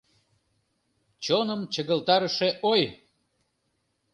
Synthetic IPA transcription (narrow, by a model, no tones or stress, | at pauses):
t͡ɕonəmt͡ɕəɣəlt̪ɑɾəʃeʔoj